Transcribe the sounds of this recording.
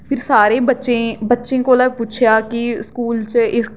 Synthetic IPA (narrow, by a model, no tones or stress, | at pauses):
pʰɪɾsaːɾẽːbətːʃẽːbətːʃẽːkolaːpuːt͡ʃʰjaːkiskuːlt͡ʃɪ